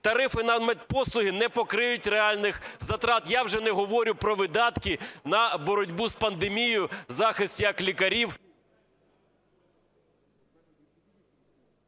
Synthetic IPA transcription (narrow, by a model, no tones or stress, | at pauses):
t̪ɐɾɪfɪnɐmɛt̚ʲpɔslˠʊɦɪnɛpɔkɾɪjʊtʲreɑlʲnɪxzɐt̪ɾɑt̪jɑwʒɛnɛɦɔʋɔɾʲʊpɾɔʋɪd̪ɑt̪kɪnɐbɔɾɔdʲbuzpɐnd̪emʲijʊzɑxɪstʲjɐklʲikɐɾʲiw